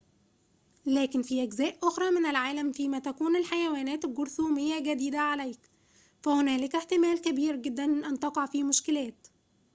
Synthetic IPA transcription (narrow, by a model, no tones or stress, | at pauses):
læːkɪnfiːʔæɡzæːʔʔoxɾˤɑːmɪnɪlʕaːlæmfiːmæt̪ækuːnelħajæwæːnæːt̪lɡoɾθuːmɪjːæɡæd̪iːd̪æʕalæjk | fæhʊnæːlɪkeħt̪ɪmæːlkæbiːɾɡɪd̪ːænʔænt̪ɑqɑʕfiːmʊʃkɪlæːt̪